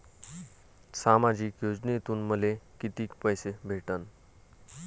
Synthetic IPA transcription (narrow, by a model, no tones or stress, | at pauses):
samad͡ʑiːkjod͡ʑnet̪uːnməlekit̪iːkpəjsebʱeʈən